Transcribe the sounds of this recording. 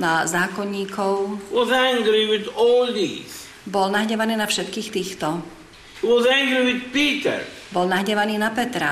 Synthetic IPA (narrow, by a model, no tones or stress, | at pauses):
nazaːkɔɲːiːkʰɔʊwɔzæ̃ŋɡɾiwɪðɔːlˠðḭːz̥ | bɔlnaɦɲɛʋaniːnafʃɛt̪kiːxt̪iːxt̪ɔ | wɔzæ̃ŋɡɾiwɪd̪piːtə̰ɹ | bɔlnaɦɲɛʋaniːnapɛt̪ɾa